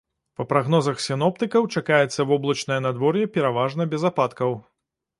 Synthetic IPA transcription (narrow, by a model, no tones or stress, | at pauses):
pɐpɾaɣn̪ɔzɐxsʲɨnɔp̚t̪ɨkɐwt͡ʂakajɛt̪sːɐvɔblˠɐt͡ʂnɐjɛnad̪vɔɾjɛpʲɛɾavaʐnɐbʲɛzapat̪kɐw